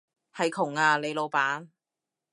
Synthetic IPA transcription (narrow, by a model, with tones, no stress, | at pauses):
hɐ˨jkʰʊ˨˩ŋaː˧le˨˧jlo˨˧wpaː˨˥n